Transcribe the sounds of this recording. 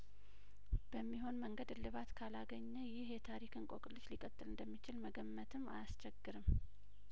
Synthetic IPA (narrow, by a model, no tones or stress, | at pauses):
b̥əmːiɦo̞nməŋɡəd̪lɨβat̪kʰalaɡəɲːəjɪhjɛt̪ʰaɾikʰɨnkʼokʼɨlːɨt͡ʃlikʼət̪ʼːɨlɨnd̪əmːit͡ʃɪlməɡəmːət̪ʰɨmːa̰ast͡ʃʰɛɡːɨɾɨm